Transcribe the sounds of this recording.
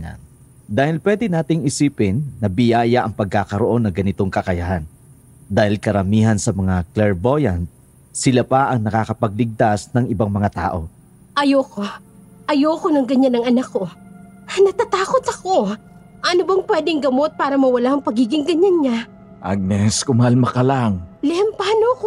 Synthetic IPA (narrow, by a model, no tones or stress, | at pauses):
d̪aːhɪlpwɛd̪ɛnaːt̪ɪŋɪsiːpɪnːɐbɪjaːjɐʔɐŋpɐɡ̚kaːkɐɾoʔo̞nːɐŋɡɐnɪt̪o̞ŋkɐkɐjahan | d̪aːhɪlkɐɾɐmiːhɐnsɐmɐŋaklɛɹbojɐnt̪̚ | sɪlapɐʔɐŋnɐkaːkɐpɐɡ̚lɪɡ̚t̪asnɐŋɪbaŋmɐŋat̪a̰ːʔo̞ | ʔɐjoko | ʔɐjoːkonɐŋɡɐɲanɐŋɐnakːo̞ | nɐt̪at̪aːko̞t̪ɐko̞ | ʔɐnobɐŋpwɛːd̪ɪŋɡɐmo̞t̪̚paːɾɐmɐwɐlaɐŋpɐɡiːɡɪŋɡɐɲanɲa | ʔa̰ɡ̚nɛskʊmɐhalmɐkɐlaŋlɛmpaːnoko